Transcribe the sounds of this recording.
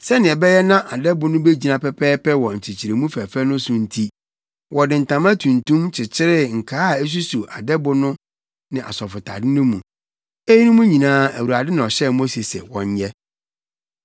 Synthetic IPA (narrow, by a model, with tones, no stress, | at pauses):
sɛ˦nɪ̃˨ɛ˨bɛ˦jɛ˦nã˦ʔa˨dɛ˦bʊ˦nʊ̃˦be˦d͡ʑi˨nã˨pɛ˦pʰɛː˦pɛ˦wɔ˨ɲ̩˨t͡ɕʰɪ˨t͡ɕʰi˨ɾe˨mũ˦fæ˨fæ˦nʊ̃˦sʊ̃˨n̩˦tʰi˦ | wɔ˨dɪ̃˨n̩˨tã˨mã˦tʰũ˨ntũ˦mt͡ɕʰɪ˨t͡ɕʰɪ˦ɾɪ˦ŋ̩˨kʰaː˦a˨e˦s̬u˦su˨ʔa˨dɛ˦bʊ˦nʊ̃˦ | nɪ̃˨ʔa̰˨sɔ˨fʊ˨tʰa̰˨dɪ˦nʊ̃˦mũ˨ | e˦ji˦nʊ̃˦mũ˦ɲĩ˨nãː˦æ˨wu˨ɾa˨dɪ˦nɪ̃˨ɔ˨ɕɛ˦˨mo˦se˨sɛ̰˨wɔ̰̃˨ɲ˦jɛ˦